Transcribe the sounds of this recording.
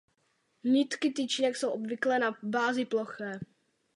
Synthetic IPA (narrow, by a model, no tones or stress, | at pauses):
ɲɪt̪kɪt̪it͡ʃɲɛksowʔobvɪklɛnabaːzɪploxɛː